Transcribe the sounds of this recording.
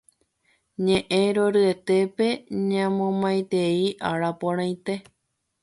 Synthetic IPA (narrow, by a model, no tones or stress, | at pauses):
ɲẽʔẽɾoɾɨe̞t̪e̞pe̞ɲãmõmãj̃t̪e̞iʔaɾapõɾ̃ãj̃t̪e̞